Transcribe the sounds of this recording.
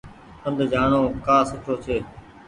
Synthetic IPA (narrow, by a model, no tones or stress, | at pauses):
ənd̪d͡ʒaːɳoːkaːsʊʈʰoːt͡ʃʰeː